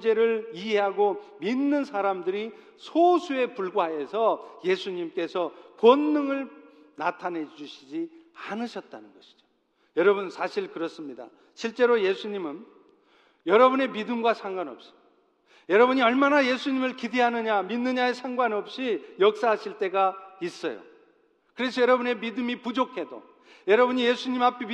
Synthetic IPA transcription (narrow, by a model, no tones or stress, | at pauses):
d͡ʑe̞ɾɯɭiɦe̞ɦaɡominːɯnsʰaɾamdɯɾi | sʰosʰue̞puɭɡoɦajesʰʌje̞sʰuɲimk͈e̞sʰʌkwʌnːɯŋɯɭ | natʰanɦe̞d͡ʑuɕʰid͡ʑi | anɯɕʰʌt̚t͈anɯnɡʌɕʰi̥d͡ʑo̥ | jʌɾʌbunsʰaɕʰiɭkɯɾʌs͈ɯmɲida̰ | ɕʰiɭt͡ɕ͈e̞ɾoje̞sʰuɲimɯn | jʌɾʌbune̞midɯmɡwasʰaŋɡwanʌ̰p̚ɕ͈i̥ | jʌɾʌbɯɲiʌɭmanaje̞sʰuɲimɯɭkideɦanɯɲaminːɯɲaesʰaŋɡwanʌp̚ɕ͈ijʌk̚s͈aɦaɕʰiɭt͈e̞ɡais͈ʌ̰jo̰ | kɯɾe̞s̬ʰʌjʌɾʌbune̞midɯmipud͡ʑokʰe̞do̰ | jʌɾʌbuɲije̞sʰuɲimapʰi